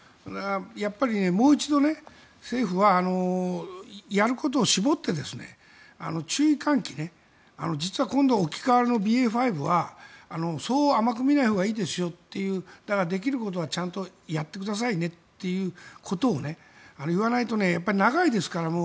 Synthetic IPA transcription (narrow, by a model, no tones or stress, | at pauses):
d̪ajapːaɾʲine̞mo̞ːit͡ɕid̪o̞ne̞ | se̞ːɸɯ̟βaːno̞ | jaɾɯ̟ko̞t̪̬o̞ːɕibo̞t̪ːe̞d̪e̞sɨne̞̰ | a̰no̞t͡ɕɨːikãŋkʲine̞ | a̰no̞d͡ʑit͡sɨβakõnd̪oːkʲi̥kaβaɾeno̞bʲiːeːɸaibɯ̟βaːno̞so̞ːamakɯ̟mʲinaihoɡaiːd̪e̞sɨjo̞t̪ːe̞jɯ̟ːd̪̥aɡad̪e̞k̬ʲiɾɯ̟ko̞t̪̬o̞βat͡ɕãnt̪o̞jat̪ːe̞k̬ɯ̟d̪as̬aine̞t̪ːe̞jɯ̟ːkʰo̞t̪o̞ːne̞ | anoɯβ̞anait̪o̞ne̞japːaɾʲinaɡaid̪e̞sɨ̥kaɾamo̞